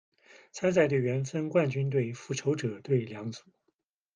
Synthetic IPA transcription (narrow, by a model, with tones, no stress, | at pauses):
t͡sʰa˥nt͡sa˥˧ɪt̪we˥˩ɪɥɛ˧˥nfə˥nkwa˥˩nt͡ɕy˥nt̪̬we˥˩ɪfu˥˩ʈ͡ʂʰo˧˥ʊʈ͡ʂɤ˨˩˦t̪we˥˩ɪljɑ˧˥ŋt͡su̥˨˩˦